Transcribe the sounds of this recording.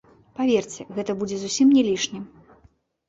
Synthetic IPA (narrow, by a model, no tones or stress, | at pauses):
pavʲert͡sʲɛɣɛt̪ɐbud͡zʲɛzusʲimnʲɛlʲiʂnʲim